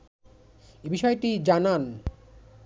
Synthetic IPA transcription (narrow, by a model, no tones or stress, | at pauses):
ebiʃɔeʈid͡ʑanan